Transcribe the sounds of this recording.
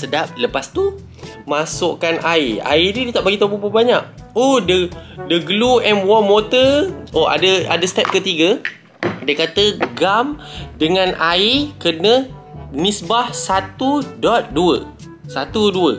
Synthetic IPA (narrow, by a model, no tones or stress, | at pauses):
sədap̚ləpast̪u | masoʔkanʔaia̰ididit̪aʔbaɡit̪opupobaɲaʔ̚ohdədəɡluɛmwɔnmot̪əoa̰dəadəst̪ɛp̚kət̪iɡə | dəkat̪əɡamdəŋãnʔaikənə̃nisbahsat̪udɔt̪̚duə | sat̪uduə